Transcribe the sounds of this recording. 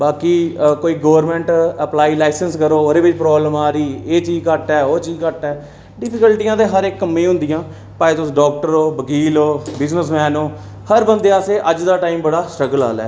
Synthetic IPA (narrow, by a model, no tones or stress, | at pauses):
baːkiːkoːiːɡəːəɾmɛ̃ːɳʈəplaːiːlaːɪsənskəɾoːod̪eːʋɪt͡ʃpɾɔːbləmaːɾiːeːt͡ʃiːzkəʈɛːoːt͡ʃiːzkəʈɛː | ɖɪpʰɪkəlʈijãːd̪eːɦəɾɪkːəmːẽːɦʊ̃nd̪ɪjãː | paːet̪ʊsɖɔːk̚ʈəɾoːbəɡiːloːbɪznəsmɛːnoː | həɾbənd̪eːaːseːʔəd͡ʒd̪aːʈaːiːmbəɽaːsʈɾəɡəla̰ːlɛ̰ː